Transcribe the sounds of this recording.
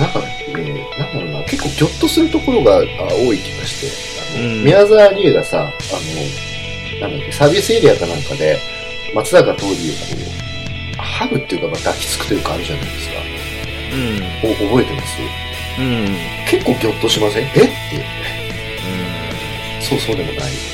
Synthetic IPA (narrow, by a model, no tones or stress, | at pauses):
nãŋka | ɾe | nãnd̪aɾonake̞kːo̞ːkʲo̞t̪ːo̞sɨɾɯ̟t̪o̞ko̞ɾo̞ɡaa̰o̞ːikʲiɡaɕi̥t̪e̞̰ | a̰no̞̰mʲiazaːɾʲieɡasa̰ | ano | nãnd̪akːesabʲisɨeɾʲiakanãŋkad̪e̞ | mat͡sɨd̪akat̪o̞ːɾʲiokʰo̰ː | haɡɯ̟t̪ːeiɯ̟kaɡad̪akʲi̥t͡sɨ̥kɯ̟̥t̪ːeɾɯ̟kaːɾɯ̟ʑana̰id̪e̞sɨ̥ka̰ | oʔobo̞e̞t̪e̞ma̰sɨɨ | ke̞kːo̞ːkʲo̞t̪ːo̞ɕimasẽʔet̪ːeɯ̟ | so̞ːsoːd̪e̞mo̞̰na̰ḭ